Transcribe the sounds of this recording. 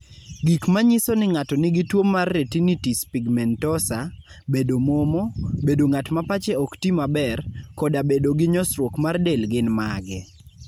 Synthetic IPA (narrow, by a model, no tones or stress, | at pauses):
ɡikmaɲɪsɔnɪŋatɔnɪɡɪtwomːarːetinitispiɡmɛntɔsa | bedomɔmɔbedoŋatmapat͡ʃɛɔktimabɛrkɔdabedoɡɪɲɔsɾwokmardelɡɪnmaɡɛ